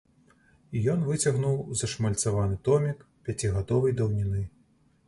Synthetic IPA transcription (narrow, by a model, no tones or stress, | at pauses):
ijɔnvɨt͡sʲɐɣnuwzɐʂmɐlʲt̪savanɨt̪ɔmʲikpʲjat͡sʲiɣad̪ɔvɐjd̪ɐwnʲinɨ